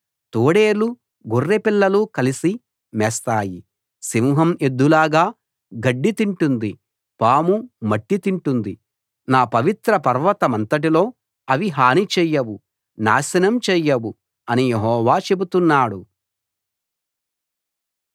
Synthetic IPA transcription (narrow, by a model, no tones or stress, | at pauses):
t̪oːɽeːlu | ɡorːepilːɐlukɐlisi | mɛːst̪aːji | simuɦɐme̞d̪ːulaːɡaː | ɡɐɖːit̪iɳʈund̪i | paːmumɐʈːit̪iɳʈund̪i | naːpɐʋit̪ɾɐpɐɾʋɐt̪ɐmɐnt̪ɐʈ̬ilo̞ː | ɐʋiɦaːnit͡ʃɛːjɐwu | na̰ːʃɐnɐmt͡ʃɛːjɐwu | ɐnijeɦɔːʋaːt͡ʃe̞but̪unːaːɽu